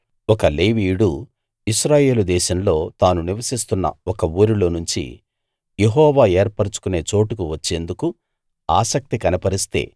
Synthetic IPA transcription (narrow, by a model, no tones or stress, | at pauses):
ɔkɐle̞ːʋiːɽu | iʃɾaːje̞ːlud̪ɛːʃɐmlo̞ːt̪aːnuniʋɐsist̪unːɐ̰ɔkɐuːɾilo̞ːnuɲt͡ʃḭ | jeɦɔːʋaːeːɾpɐɽut͡ʃu̥kune̞ːt͡ʃo̞ːʈukuʋɐt͡ʃːe̞ːnd̪uku | aːsɐk̚t̪ikɐnɐpɐɾist̪e̞̰ː